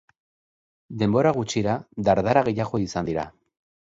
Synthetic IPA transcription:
d̪e̞mbo̞ɾaɣut͡ʃiɾad̪aɾðaɾaɣejaɣo̞isand̪iɾa̰

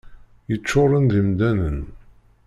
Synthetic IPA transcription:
jət͡ʃːʊɾˤənðimd̪ænən

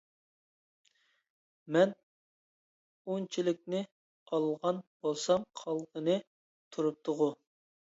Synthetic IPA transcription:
mɛn | unt͡ʃʰilɪk̚ʲnɪ | ɑlˠʁɑnb̥olˠsɑmχʰɑlˠqənɨ | t̪ʰuɾup̚t̪ʰʊʁʊ

